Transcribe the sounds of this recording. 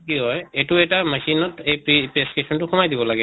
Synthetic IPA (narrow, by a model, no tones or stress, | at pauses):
kiɦɔjɛtʊɛtamasinɔtejpipɹestesɔntʊxʰɔmajdibɔlaɡɛ